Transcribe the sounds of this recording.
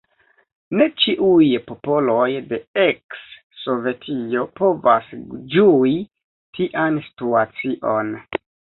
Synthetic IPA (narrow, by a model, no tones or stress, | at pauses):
ne̞t͡ʃiʔujpo̞po̞lo̞jde̞eksː | o̞ve̞tʰio̞po̞va̰sd͡ʒui | tʰiʔansi̥tuat͡siʔo̞n